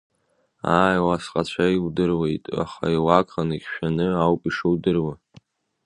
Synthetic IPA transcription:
aːjwasqʼat͡ɕʷʰaiwdɨrwe̞jtʼa̰χa̰iwakʰʼχaniɡʲʃᶣanɨawpʼiʂɨwdɨrwa

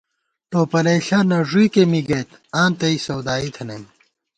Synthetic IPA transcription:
t̪oːpɐlɐɕanɐʐuikemiɡɐt̪ãːnt̪ɐisɐwd̪aːit̪ʰɐnɐm

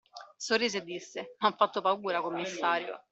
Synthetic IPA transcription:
sorːiːzed̪isːenaɱfːat̪ːopauːɾakomːisːaːɾjo̰

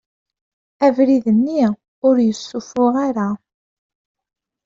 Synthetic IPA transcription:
ævɾiðənːi | ʊɾjəsːufʊʁaɾa

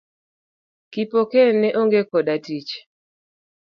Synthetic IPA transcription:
kipokenɛʔoŋɡekɔdatit͡ʃ

